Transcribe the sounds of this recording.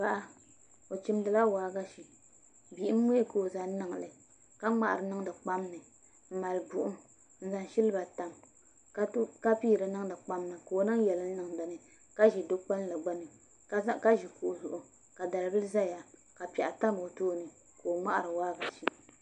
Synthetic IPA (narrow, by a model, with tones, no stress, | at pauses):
ba˦ʔa˦ | o˨t͡ʃi˦mdɨ˨la˦waː˦ɡa˦ʃi˨ | bi˨ʔm̩˦mo˦ko˨o˨za˨n˦nɨ˨ŋ˨lɨ˨ | ka˦ŋ͡ma˨ʔa̰˨ɾɨ˨nɨ˦ŋ˦dɨ˨k͡pa˦m˦nɨ˨ | m̩˨ma˨lbu˨ʔʊ˦ | n̩˦za˨nʃi˦lɨ˦ba˨ta˨m | kka˦piː˦˨ɾɨ˨nɨ˦ŋ˦dɨ˨k͡pa˦mnɨ˨ko˨o˨nɨ˦ŋjɛ˨lɨ˦n˦nɨ˦ŋda˨nɨ˨ | ka˦ʒi˨do˦k͡pa˦n˦la˨ɡ͡ba˦nɨ˨˦ | ka˦ʒi˨ku˨zʊ˨ʔʊ˨ | ka˨da˨lbɨ˦lza˦ja˨ | ka˨pɛ˨ʔa˨ta˦m˨o˨toː˦nɨ˨ | kʰo˨o˨ŋ͡ma˦ʔa̰˨ɾɨ˨waː˦ɡa˨ʃi˦